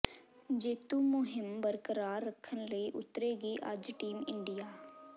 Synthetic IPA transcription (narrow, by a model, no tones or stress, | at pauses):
d͡ʒeːt̪uːmʊɦɪmbəɾkəɾaːɾːəkʰːənləiːʔʊ̰t̪ːɾeːɡiːʔəd͡ʒʈiːmɪɳɖijaː